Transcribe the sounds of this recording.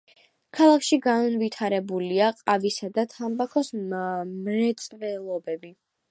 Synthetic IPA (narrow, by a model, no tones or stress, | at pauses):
kʰalˠakʰʃiɡanunvit̪ʰaɾɛbuliaqʼavisad̪at̪ʰambakʰɔsmɾɛt̪sʼvɛlˠɔbɛbi